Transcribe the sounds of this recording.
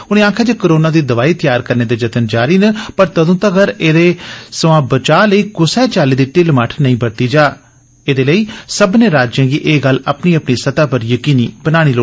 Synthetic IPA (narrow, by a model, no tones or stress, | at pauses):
ʊñẽːaːkʰaːd͡ʒeːkəɾoːnaːd̪iːd̪əʋaːiːt̪ɪjaːɾkəɾneːd̪eːd͡ʒət̪ənd͡ʒaːɾiːnəpəɾt̪əd̪õːt̪əɡəɾeːd̪eːsəʋãːbət͡ʃaːləiːɡʊsɛːt͡ʃaːliːd̪iːʈɪlmaːʈʰnəĩːbəɾt̪iːd͡ʒaː | eːd̪eːləiːsəbnẽːɾaːd͡ʒjãːɡiːʔeːɡələpniːəpɳiːsət̪aːpəɾjəkiːniːb̥ənaːɽ̃iːloː